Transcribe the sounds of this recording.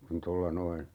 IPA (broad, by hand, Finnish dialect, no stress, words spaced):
kun tolːɑ noin